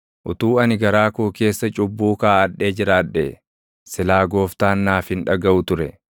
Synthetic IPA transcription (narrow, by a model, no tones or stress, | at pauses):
ʔʊt̪uːɐnɪɡɐɾaːkuːke̞ːsːɐt͡ʃʼʊbːuːkaːɐᶑːe̞ːd͡ʒɪɾaːᶑːɛ | sɪlaːɡo̞ːft̪aːnːaːfhɪnᶑɐɡɐʔʊt̪ʊɾɛ